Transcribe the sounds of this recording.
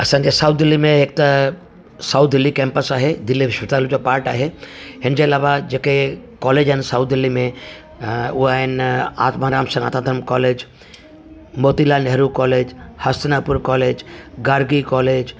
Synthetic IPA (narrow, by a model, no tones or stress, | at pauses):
ɐsãɲd͡ʑesaʊt̪̚d̪ɪlːimẽɦeːk̚t̪a | saʊt̪̚d̪ɪlːikɛ̃ːmpəsaːɦed̪ɪlːiʋɪʃɪt̪aːlud͡ʑopaːɾʈaːɦeɦɪnd͡ʑeɐlaːʋad͡ʑeːkekɔːleːd͡ʒaɦɪnsaʊt̪̚d̪ɪlːimẽ | ʊɦaːɦɪna̰ːt̪maɾaːmsɐ̃ŋɡaːt̪ãːt̪ɾmkɔːleːd͡ʒ | moːt̪ilaːnɛɦɾukɔːleːd͡ʒhɐst̪ɪnaːpʊɾkɔːleːd͡ʒɡaːɾɡikɔːleːd͡ʒ